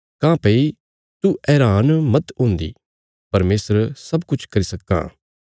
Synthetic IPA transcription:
kãːpei | t̪uʔɛːɾaːnmɐt̪ɦʊ̃ːnd̪ḭ | pɐɾmeːsəɾsɐbkʊt͡ʃʰkɐɾisɐkːã̰ː

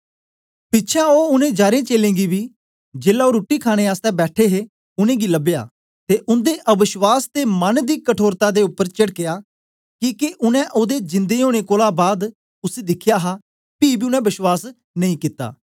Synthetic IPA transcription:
pɪtːʃʰãːoːʊnẽːd͡ʒaːɾẽːt͡ʃeːlẽːɡiːbʱiː | d͡ʒeːlaːoːɾoːʈiːkʰaːɽ̃eːaːst̪ɛ̃bɛːʈʰeːɦeː | ʊnẽːɡiːləbɪja̰ː | t̪eːʔʊnd̪eːʔəbɪʃwaːst̪eːmənd̪iːkəʈʰoːɾt̪aːd̪eːʊpːəɾt͡ʃəɽkɪjaː | kiːkeʔʊnɛ̃ːʔoːd̪eːd͡ʒɪ̃nd̪eːɦoːɽ̃eːkoːlaːbaːd̪ | ʊseːd̪ɪkʰjaːɦaː | piːbiːʊnɛ̃ːbɪswaːs | nəĩːkɪt̪ːa̰ː

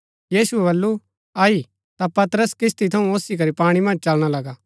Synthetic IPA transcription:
jiːsuɛbɐlːu | aːi | t̪apɐt̪ɾəskɪst̪it̪ʰɐũoːsikɐɾipaːɽ̃imɐ̃nd͡ʒt͡ʃɐlɽ̃alɐɡaː

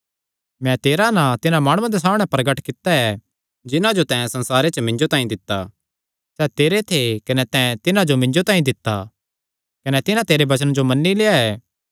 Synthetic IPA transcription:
mɛ̃t̪eːɾanãt̪ɪnãmaːɽ̃ʊ̃ãd̪es̬aːmɽ̃ɛ̃pɾɐɡəʈkɪt̪ːaɛ | d͡ʒɪnãd͡ʒot̪ɛ̃sɐ̃nsaːɾet͡ʃəmɪ̃ɲd͡ʒot̪aːĩd̪ɪt̪ːa | sɛːt̪eːɾet̪ʰekɐnɛt̪ɛ̃t̪ɪnãd͡ʒomɪ̃ɲd͡ʒot̪aːĩd̪ɪt̪ːa | kɐnɛt̪ɪnãt̪eːɾebɐt͡ʃənd͡ʒomɐnːileːaɛː

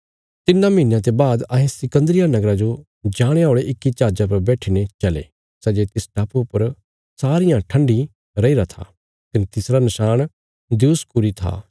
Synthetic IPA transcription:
t̪ɪnːãmiːnjãt̪̬ebaːd̪ɐɦẽsɪkə̃nd̪ɾɪjanɐɡɾad͡ʒo | d͡ʒaːɽ̃eoːɭeʔɪkːit͡ʃaːd͡ʒap̬ɐɾbɛːʈʰinet͡ʃɐlḛː | sɛːd͡ʒet̪ɪsʈaːpupɐɾ | saːɾɪjãʈʰə̃ɳɖi | ɾɐiɾat̪ʰa̰ | kɐnit̪ɪsɾanɐʃaːɽ̃ | d̪juːskʊɾit̪ʰa̰ː

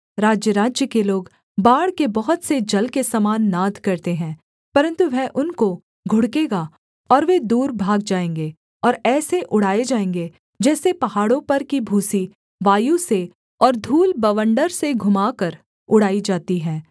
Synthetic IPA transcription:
ɾaːd͡ʒjəɾaːd͡ʒjəkeloːɡ | baːɽkebɐɦʊt̪sed͡ʒɐlkesaːmaːnːaːd̪ʱkɐɾt̪eɦɛ̃ː | pɐɾə̃nt̪uʋɛʔʊnko | ɡʱʊɽkeːɡa | ɔːɾʋed̪uːɾbʱaːɡ̚d͡ʒaːẽːŋɡeː | ɔːɾɛːseʔʊɽ̤aːed͡ʒaːẽːŋɡe | d͡ʒɛːsepɐɦaːɽõpɐɾkibʱuːsi | ʋaːjuse | ɔːɾd̪ʱuːlbɐʋə̃ɳɖəɾseɡʱʊmaːkəɾ | ʊɽ̤aːid͡ʒaːt̪iɦɛ̃ː

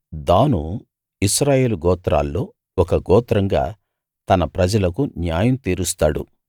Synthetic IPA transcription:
d̪aːnu | iʃɾaːje̞ːluɡɔːt̪ɾa̰ːlːoː | ɔkɐɡɔːt̪ɾɐŋɡa̰ː | t̪ɐnɐpɾɐd͡ʒɐlɐkunjaːjɐmt̪iːɾust̪aːɽṵ

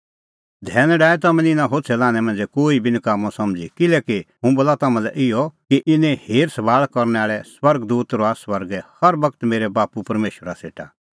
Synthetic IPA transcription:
d̪ʱɛːñɛɖaːɛt̪ɐmɛ̃nɪnãɦoːtsʰɛlaːñɛ̃mɐ̃nd͡zɛkoːibʱinɪkaːmõsɐmd͡zikɪlɛːkiɦũbolat̪ɐmãlɛ̰ʔɪjɔkiʔɪnɛ̃heːɾsɐbaːɭkɔɾnɛaːɭɛswɐɾɡd̪uːt̪ɾɔasʋɐɾɡɛhɐɾʋɐkt̪meːɾɛbaːpupɐɾmeːʃəɾasḛːʈʰa̰

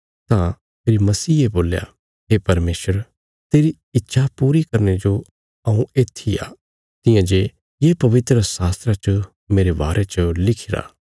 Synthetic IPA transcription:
t̪ã | meːɾimɐsiːeboːlja̰ | ɦeːpɐɾmeːsəɾ | t̪eːɾi | ɪt̪ːʃʰapuːɾikɐɾned͡ʒo | ɐũeːt̪ʰːia̰ː | t̪ɪ̃jãd͡ʒe | jeːpɐʋɪt̪ɾəsaːst̪ɾat͡ʃə | meːɾeba̰ːɾʔet͡ʃəlɪkʰɪɾa̰ː

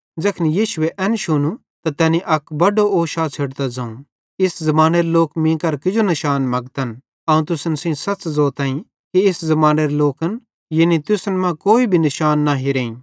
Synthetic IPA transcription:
d͡ʒɐkʰnijiːʃʊeʔɛːnʃʊnũ | t̪at̪ɛːniʔɐkbɐɖooːʃaːt͡sʰeɽt̪ad͡zɐ̃ːũ | ɪszɐmaːneɾeloːkmĩːkɐɾkɪd͡ʒonɐʃaːnmɐɡt̪ən | ɐũt̪ʊsənsĩsɐt͡ʃzoːt̪ãːĩ | kiɪszɐmaːneɾeloːkən | jenit̪ʊsənmãkoːibʱinɐʃaːnːaɦiɾeːĩ

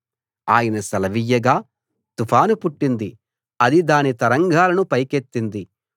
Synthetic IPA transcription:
aːjɐnɐsɐlɐʋijːɐɡaː | t̪upʰaːnupuʈːind̪i | ɐd̪id̪aːnit̪ɐɾɐŋɡʱaːlɐnupɐjket̪ːind̪i

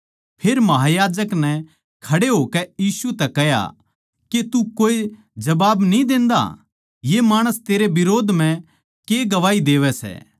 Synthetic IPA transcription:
pʰeːɾmɐɦajaːd͡ʒəknɛ | kʰɐɽeɦoːkɛjiːsut̪ɛkɛɦja̰ | ket̪ukoːe | d͡ʒɐbaːbnĩd̪ẽːnd̪a̰ | jemaːɽ̃əst̪eːɾebɪɾoːd̪ʱm̤ɛ̃ | keɡɐʋaːid̪eːʋɛsɛ̰ː

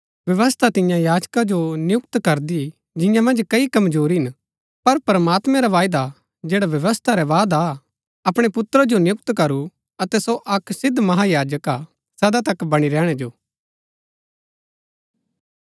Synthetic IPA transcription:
ʋjɐʋəst̪ʰat̪ɪjãjaːd͡ʒkad͡ʒonjʊk̚t̪kɐɾd̪i | d͡ʒɪ̃jãmɐ̃nd͡ʒkɐikɐmd͡ʒuːɾiɦɪn | pɐɾpɾəmaːt̪mɛ̃ɾaʋaːjd̪a | d͡ʒeːɽaʋjɐʋəst̪ʰaɾɛʋaːd̪a | ɐpɽ̃epʊt̪ɾad͡ʒonjʊk̚t̪kɐɾu | ɐt̪ɛsoʔɐksɪd̪ʱmɐɦajaːd͡ʒəka | sɐd̪at̪ɐkbɐɽ̃iɾɛːɽ̃ɛd͡ʒoː

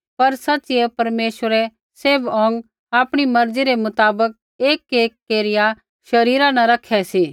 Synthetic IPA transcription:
pɐɾsɐtːt͡ʃɪɛpɐɾmeːʃəɾɛ | seːbɔ̃ːŋɡ | aːpɽ̃imɐɾd͡ziɾemʊt̪aːbək̚ | eːkeːkːeːɾɪja | ʃɐɾiːɾanɐɾɐkʰɛsiː

